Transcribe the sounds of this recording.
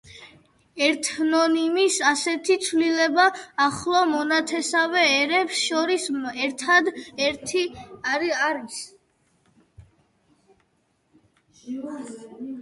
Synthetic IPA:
ɛɾt̪ʰnɔnimisasɛt̪ʰit̪sʰvlilɛbaːχlˠɔmɔnat̪ʰɛsavɛːɾɛpsʃɔɾisɛɾt̪ʰad̪ɾt̪ʰi | aɾis

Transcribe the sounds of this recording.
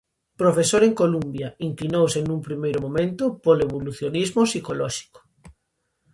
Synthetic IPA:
pɾofesoɾeŋkolumbjaiŋklinowsenũŋpɾimejɾomõmẽnt̪ʊpoleβ̞oluθjonizmosikolɔʃi̥ko̥

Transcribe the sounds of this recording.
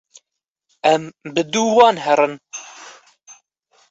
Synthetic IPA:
ɛmbɨd̪uːwɑːnɦɛrɨn

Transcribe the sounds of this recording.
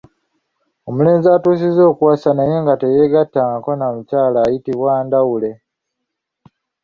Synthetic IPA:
o̞mule̞ːnzaːtuːs̬izo̞ːkwaːsanajeŋɡatejeɡatːaŋako̞namucaːlaːjitiβwaːndawule̞

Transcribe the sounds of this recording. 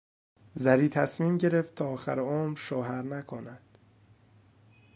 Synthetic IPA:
zæɾiːt̪ʰæsmiːmɟe̞ɾeft̪̚t̪ʰɒːxæ̰ɾeoːmɾʃoːɦæɾnækʰonæd̪̥

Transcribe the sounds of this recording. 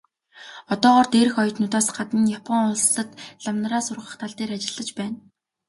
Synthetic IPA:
ɔt̪ɔːʁɔːrt̪eːɾɘ̆xɔj̆ʰt̪nʊt̪aːsɢ̥at̪ɘ̆njapʰɔŋʊɮsːə̆t̪ɮamn̆raːsʊrʁə̆χt̪ʰaɮt̪eːɾat͡ɕɪ̆ɮːə̆t͡ɕpæːn

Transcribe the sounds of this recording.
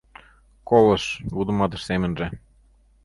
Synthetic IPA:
kolˠɤ̆ʃβud̪ɤ̆mɑd̪ɤ̆ʃsemɘ̆nʒĕ

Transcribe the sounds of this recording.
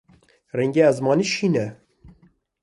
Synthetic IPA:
rɛŋɡeæzmɑːniːʃiːnɛ

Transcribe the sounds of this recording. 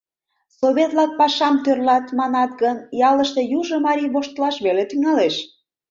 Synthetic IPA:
soβet̪lɑk̚pɑʃɑmt̪ørlɑt̪mɑnɑt̪ɡənjɑləʃt̪e̽juʒə̆mɑɾʲiβoʃt̪əlɑʃβelet̪yŋɑleʃ

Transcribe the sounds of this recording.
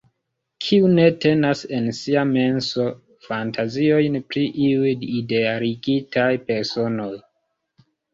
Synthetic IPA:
kʰiune̞te̞nase̞nsiame̞nso̞ | fantazio̞jnpɾiʔiujide̞aɾiɡitajpe̞ɾso̞no̞j

